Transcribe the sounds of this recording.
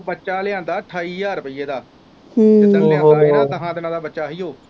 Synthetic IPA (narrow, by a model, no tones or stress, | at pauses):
bətːʃaːlɪãːnd̪aːʈʰaːiːjaːɾəpɪːeːd̪aː | əlãːdaːãɦãːd̪ɪnãːd̪aːbətːʃaːɦiːɦoː